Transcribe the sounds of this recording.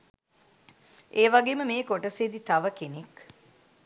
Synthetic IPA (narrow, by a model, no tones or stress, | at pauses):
ʔeːʋaɡeːməmeːkoʈəseːd̪it̪aʋəkenek